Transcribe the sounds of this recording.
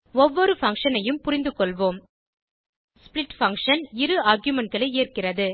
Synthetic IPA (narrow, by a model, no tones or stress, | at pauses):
ɔʋːɔɾɯfɐŋkʂɐnɐjɯmpʊɾɪnd̪ɯkːɔɭʋoːm | spɭɪʈfɐŋkʂɐnɪɾɯaːɾɡjʊmɛɳʈ̚ɡɐɭɐɪeːrkɪrɐðɯ